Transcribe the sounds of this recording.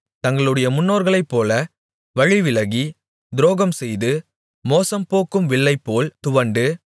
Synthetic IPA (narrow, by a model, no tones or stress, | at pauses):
t̪ɐŋɡɐɭɯɽɐjɐmʊnːoːɾɣɐɭɐɪpːoːlɐ | ʋɐɻɪʋɪlɐɣi | d̪ɪɾoːɣɐmsɛjðɯ | moːsɐmpoːkːɯmʋɪɭːɐɪpːoːlt̪ʊʋɐɳɖɯ